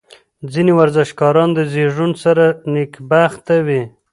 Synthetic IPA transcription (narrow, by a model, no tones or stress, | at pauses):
d͡zinewaɾzɪʃkɑɾɑnd̪əziʐunsaɾanɪkbaxt̪awi